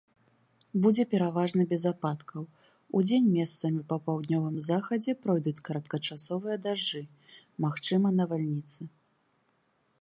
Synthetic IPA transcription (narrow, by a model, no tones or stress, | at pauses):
bud͡zʲɛpʲɛɾavaʐnɨbʲɛzapat̪kʰɐw | ud͡zʲenʲmʲɛst̪sɐmʲipɐpawd̪nʲɔvɨmzaxɐd͡zʲɛpɾɔjd̪ut͡sʲkɐɾɐt̪kɐt͡ʂasɔvɨjɐd̪aʐd͡ʐɨ | maxt͡ʂɨmɐnɐvalʲnʲit̪sɨ